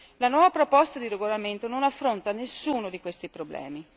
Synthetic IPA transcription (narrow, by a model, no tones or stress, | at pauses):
lanwɔːvapɾopɔst̪ad̪iɾeɡolament̪ononafːɾont̪anesːuːnod̪ikwest̪ipɾoblɛ̰ːmi